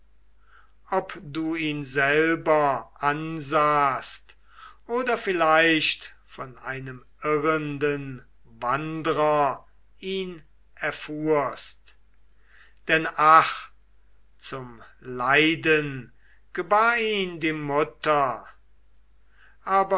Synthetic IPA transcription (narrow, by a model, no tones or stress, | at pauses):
ʔɔpduːiːnzɛlbɐʔanzaːst | ʔoːdɐfɪlaɪʃt | fɔna̰ɪnəm | ɪʁəndən | vandəʁɐ | iːn | ʔɛɐfuːɐst | d̥ɛnaχ | t͡sʊmlaɪdən | ɡ̥əbaːiːndiːmʊtɐ | ʔaːbɐ